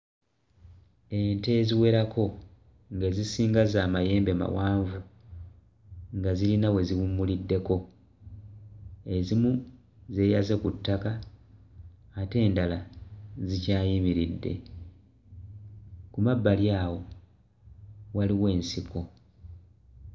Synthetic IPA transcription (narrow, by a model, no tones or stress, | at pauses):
e̞nte̞ːziwe̞ɾakʰo̞ | ŋɡe̞zisiːŋɡazaːmaje̞ːmbe̞ma̰waːɱvu | ŋɡazilinawe̞ziwumːulidːe̞ko̞ | e̞zimu | ze̞ːjaze̞kutːaka | te̞ːndalazicaːjimiɾidːe̞̰ | kumabːaljaːwo̞ | waliwe̞ːnsiko̞